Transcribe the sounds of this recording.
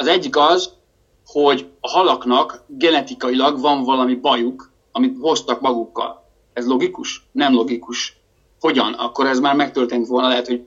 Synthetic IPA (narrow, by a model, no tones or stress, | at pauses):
ɒzɛɟːikɒz | ho̞ɟɒɦɒlɒknɒkɡɛnɛt̪ikɒjilɒɡvɒɱvɒlɒmibɒjuk | ɒmit̪ho̞st̪ɒkmɒɡukːɒ̰l | ɛzlo̞ɡikuʃnɛmlo̞ɡikuʃ | ho̞ɟɒnɒ̰kːo̞ɾɛzmaːrmɛk̚t̪ørt̪eːnt̪ʋo̞lnɒlɛɦɛt̪ho̞ɟ